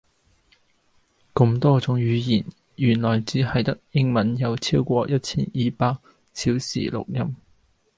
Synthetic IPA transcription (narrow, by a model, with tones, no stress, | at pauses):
kʊ˧mt̪ɔː˥t͡sʊ˨˥ŋjyː˨˧jiː˨˩n | jyː˨˩nlɔː˨˩jt͡siː˨˥hɐ˨jt̪ɐ˥k̚jɪ˥ŋmɐ˨˥njɐ˨˧wt͡sʰi˥wkʷɔː˧jɐ˥t̚t͡sʰiː˥njiː˨paː˧k̚ | t͡sʰiː˨˥wsḭː˨˩lʊ̰˨k̚jɐ˥m